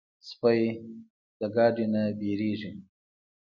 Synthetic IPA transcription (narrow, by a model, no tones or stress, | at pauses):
spaj | d̪̥əɡɑɖinabeɾeʐi